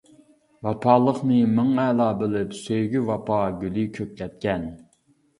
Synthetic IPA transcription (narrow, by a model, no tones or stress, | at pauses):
wɑpʰɑːlˠəχnɨmɨŋɛːlˠɑːbɪlɪpsøjɡʲywɑpʰɑːɡʲylikʲʰøk̚ʲlʲɛt̪̚kʲɛn